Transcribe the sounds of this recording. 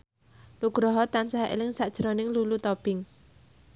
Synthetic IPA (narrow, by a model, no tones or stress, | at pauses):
nuɡ̥ɾɔɦɔt̪ansaɦaḛlɪŋsaʔd̥ʒ̥ɾonɪŋlulut̪ɔb̥ɪŋ